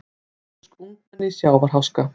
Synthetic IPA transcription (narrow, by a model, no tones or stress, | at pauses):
skuŋkanːɪsjaːwvaɾ̥ɦawska